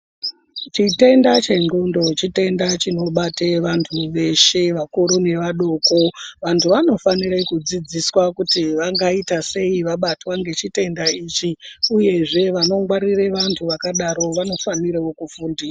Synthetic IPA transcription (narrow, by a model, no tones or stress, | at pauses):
t͡ʃite̞ndat͡ʃe̞nɡundo̞t͡ʃite̞ndat͡ʃino̞ɓateʋantʰuʋe̞ʃe̞ʋakuɾune̞ʋaɗoko̞ʋantʰuʋano̞faniɾekud͡zid͡ziswakutiʋaŋɡaitase̞iʋaɓatwaŋɡe̞t͡ʃite̞ndait͡ʃiuje̞ʐe̞ʋano̞ŋɡwaɾire̞ʋantʰuʋakaɗaɾo̞ʋano̞faniɾewokufuːndisa